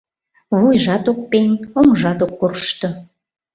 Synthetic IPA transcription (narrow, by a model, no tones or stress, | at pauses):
βujʒɑt̪ok̚penʲomʒɑt̪okːurʃt̪o